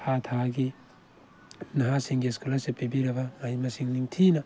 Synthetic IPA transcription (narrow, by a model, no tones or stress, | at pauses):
hat̪ʰaɡi | nɐɦasiŋɡieskulɐsepebiɾɐbɐajmɐsiŋniŋtʰinɐ